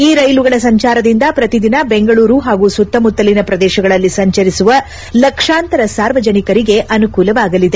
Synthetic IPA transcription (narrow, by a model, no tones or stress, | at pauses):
iːɾɐjluɡɐɭɐsɐɲt͡ʃaːɾɐd̪ind̪ɐpɾɐt̪id̪inɐbe̞ŋɡɐɭuːɾuɦaːɡusut̪ːɐmut̪ːɐlinɐpɾɐd̪ɛːʃɐɡɐɭɐlːisɐɲt͡ʃɐɾisuʋɐ | lɐkʂaːnt̪ɐɾɐsaːɾʋɐd͡ʒɐnikɐɾiɡe̞ʔɐnukuːlɐʋaːɡɐlid̪e